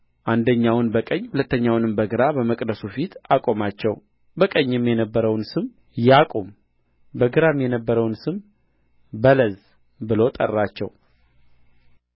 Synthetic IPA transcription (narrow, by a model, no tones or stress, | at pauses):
ʔand̪əɲːawnbəkʼəɲːhulət̪ːəɲːawnɨmbəɡɨɾabəməkʼd̪əsufit̪ʰakʼo̞mat͡ʃːɛw | bəkʼəɲːɪmjɛnəbːəɾəwnsɨm | jakʼom | bəɡɨɾamjɛnəbːəɾəwnsɨm | bələz | bɨlo̞t̪ʼə̰rːat͡ʃːɛw